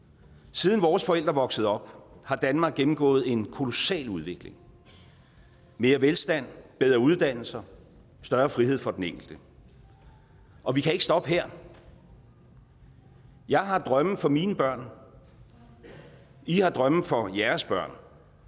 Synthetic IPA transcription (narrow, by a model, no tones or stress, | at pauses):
siːð̞ˠnʋɒːsfɒ̽el̰d̥ʁɐʋɒ̽ɡ̥səð̞̩ˠɒ̽b̥̚hɑ̈d̥ænmɑ̈ːɡ̥̚ːemm̩ɡ̥ɔ̰̽ːð̞̩ˠe̝nkʰo̝lo̝sɛ̰ːluðˠʋe̝ɡ̥le̝ŋ | me̝ːɐʋelsd̥æn̰b̥eð̞ˠʁɐuð̞ˠd̥æn̰l̩sɐ | sd̥ɶːɐfʁihe̝ð̞̰ˠfɒ̽d̥eneŋ̰ɡ̥l̩d̥ə | ʔɒ̽ʋikʰæe̝ɡ̥ə̥sd̥ɒ̽b̥əɦeɐ̰ | jɑ̈ɪɦɑ̈d̥ʁɶmð̩fɒ̽miːnəb̥ɶɐ̰n | ihɑ̈d̥ʁɶmð̩ˠfɒ̽jæɐsb̥ɶɐ̰n